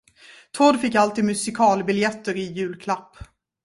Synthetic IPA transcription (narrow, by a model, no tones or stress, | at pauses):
t̪ʰɔɖ̪fɪkːalt̪iːd̪mɵsɪkʰɑːlbɪljɛt̪ːəɾɪjʉ̟ːlkʰlapː